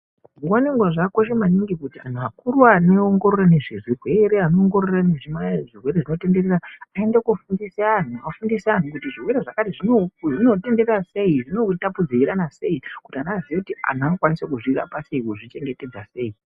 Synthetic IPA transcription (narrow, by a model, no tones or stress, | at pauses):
ŋɡwaniŋɡwaʐakoʃemaniŋɡikutian̤uakurwaneoŋɡo̞ɾorane̞ʐirirwe̞ɾe̞anooŋɡo̞rorane̞ʐimajaʐirwe̞ɾeʐino̞te̞nde̞reraae̞ndekufundisean̤uafundisean̤ukutiʐirweɾeʐakatiʐinoʐino̞te̞ndererase̞iʐino̞tapud͡ziiɾanase̞ikutianaːzijekutia̰nakwanisekuʐira̰paseikuʐit͡ʃe̞ŋɡe̞te̞d͡zase̞i